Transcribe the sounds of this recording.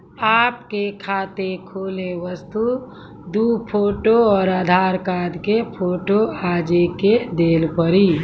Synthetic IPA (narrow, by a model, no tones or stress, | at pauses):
aːpkekʰaːt̪ekʰoːleʋəst̪u | d̪upʰoːʈoɔːɾaːd̪ʱaːɾkaːd̪kepʰoːʈoaːd͡ʒeked̪eːlpəɾiː